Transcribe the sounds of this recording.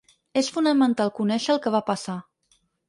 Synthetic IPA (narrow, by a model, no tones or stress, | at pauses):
esfunəmənt̪alˠkunɛʃəːlˠkəβ̞apəsa